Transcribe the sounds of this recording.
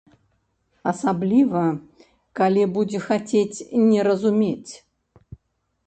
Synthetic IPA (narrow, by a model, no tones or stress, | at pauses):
ɐsablʲivɐ | kalʲibud͡zʲɪxat͡sʲet͡sʲnʲɛɾɐzumʲet͡sʲ